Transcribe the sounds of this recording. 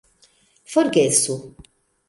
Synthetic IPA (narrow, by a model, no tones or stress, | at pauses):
fɔɾɡɛsu